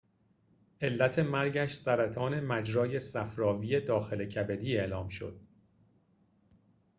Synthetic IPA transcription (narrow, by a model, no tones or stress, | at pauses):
ʔe̞lːæt̪ʰe̞mæɾɟæʃsæɾæt̪ʰɒːne̞mæd͡ʒɾɒːje̞sæfɾɒːviːe̞d̪ɒːxe̞lecʰæbe̞d̪iːe̞ʔlɒːmʃo̞̰d̪̥̚